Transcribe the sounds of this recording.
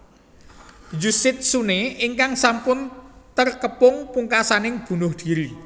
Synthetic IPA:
d͡ʒusɪt̪̚suneɪŋkaŋsampʊnt̪ərkəpʊŋpuŋkasanɪŋb̥ṳnʊhd̪̥i̤ɾi

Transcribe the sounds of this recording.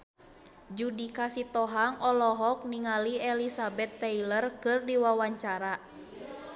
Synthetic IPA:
d͡ʒudikasit̪ɔɦaŋʔɔlɔɦɔk̚niŋaliɛlisabɛt̪ːɛilərkɨrdiwawaɲt͡ʃaɾa

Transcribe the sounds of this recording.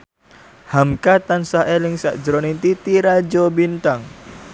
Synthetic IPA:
hamkat̪ansaɦelɪŋsa̰ʔd͡ʒəɾonint̪it̪iɾad͡ʒobint̪aŋ

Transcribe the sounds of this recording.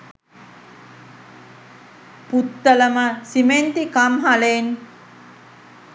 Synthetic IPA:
put̪ːələməsiment̪ikamɦalen

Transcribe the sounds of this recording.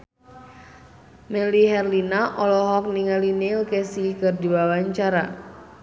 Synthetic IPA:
mɛliɦɛrlinaʔɔlɔɦɔk̚niŋalinilkɛsikɨrdibawaɲt͡ʃaɾa

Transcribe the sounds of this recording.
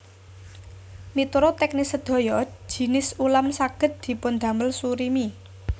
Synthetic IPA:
mit̪uɾot̪ɛk̚nisəd̪̥o̤jɔ̥ʒ̥i̤nɪsulamsaɡ̥ə̤t̪̚d̪̥i̤pʊnd̪̥ä̤məlsuɾimi

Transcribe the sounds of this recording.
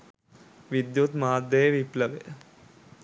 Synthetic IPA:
ʋid̪jut̪maːd̪jəjəʋipləʋeə

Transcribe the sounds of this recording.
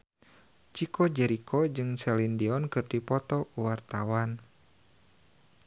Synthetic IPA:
t͡ʃikɔd͡ʒɛɾikʰɔd͡ʒɨŋsɛlindiɔnkɨrdipɔt̪ɔkuwart̪awan

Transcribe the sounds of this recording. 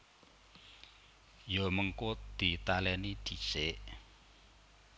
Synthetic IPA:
joməŋkod̪̥i̤t̪alɛnid̪̥i̤t͡ʃeʔ

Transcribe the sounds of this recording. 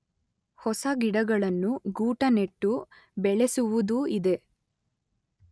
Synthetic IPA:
hɔsɐɡiɽɐɡɐɭɐnːuɡuːʈɐneʈːu | bɛɭesuʋud̪uid̪e̞

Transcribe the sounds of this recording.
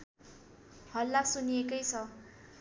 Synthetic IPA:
hʌlːaksunijekʌjt͡sʰʌ

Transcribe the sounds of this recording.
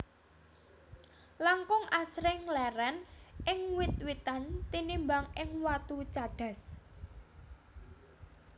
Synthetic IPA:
laŋkʊŋʔasɾɪŋlɛɾɛnɪŋwɪt̪̚wit̪ant̪inimbaŋɪŋwat̪ut͡ʃaɖ̥a̤s

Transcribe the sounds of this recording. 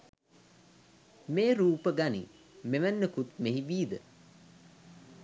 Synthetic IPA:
meːɾuːpəɡanḭ | meʋænːəkut̪meɦiʋiːd̪ə̰

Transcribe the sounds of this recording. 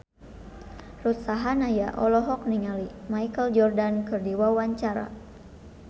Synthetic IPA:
rut̪saɦanajaʔɔlɔɦɔk̚niŋalimajkəld͡ʒɔrdankɨrdiwawaɲt͡ʃaɾa̰

